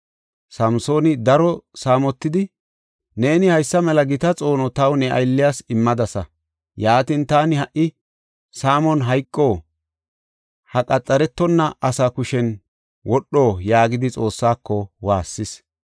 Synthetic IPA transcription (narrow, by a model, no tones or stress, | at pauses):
sɐmso̞ːnɪd̪ɐɾɔsaːmɔt̪ːɪd̪ɪ | ne̞ːnɪhɐjsːɐmɛlɐɡɪt̪ɐt͡sʼo̞ːnɔt̪ɐwnɛʔɐ̰jlːɪjaːsɪmːɐd̪ɐsɐ | jaːt̪int̪aːnɪhɐʔɪ | saːmɔnɦɐjkʼːoː | hɐkʼɐt͡sʼːɐɾɛt̪ːɔnːɐʔɐsakʊʃɛn | wɔɗːo̞ːjaːɡɪd̪ɪt͡sʼo̞ːsːaːkːɔwaːsːɪs